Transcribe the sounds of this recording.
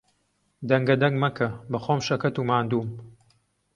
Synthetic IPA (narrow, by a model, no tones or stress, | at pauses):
d̪ɐŋɡɐd̪ɐŋɡmɐkʰɐbɐxoːmʃɐkɐt̪uːmaːnd̪uːm